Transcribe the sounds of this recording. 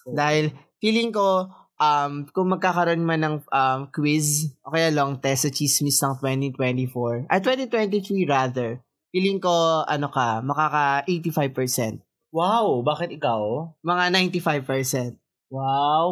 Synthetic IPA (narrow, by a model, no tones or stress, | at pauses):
d̪aːhɪlfiːlɪŋko̞ | ʔɐmkʊŋmɐɡ̚kaːkɐɾoʔonmanɐŋʔɐmkwɪzʔoːkɐjaloŋt̪ɛstɐt͡ʃismist̪ɐŋt̪wɛnt̪it̪wɛnt̪ifoɹʔɐ̰t̪wɛnt̪it̪wɛnt̪iθɹiɹaðɛɹ | fiːlɪŋko̞ʔɐnokɐmɐkaːkɐʔejt̪ifajvpɛɹsɛ̰nt̪̚ | wawbaːkɪt̪̚ɪkawmɐŋanajnt̪ifajvpɛɹsɛnt̪̚ | waw